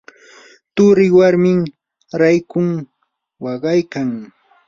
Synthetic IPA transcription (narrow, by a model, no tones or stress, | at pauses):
t̪ʊɾɪwaɾmɪŋ | ɾajkʊŋ | wɑɢɑjkaŋ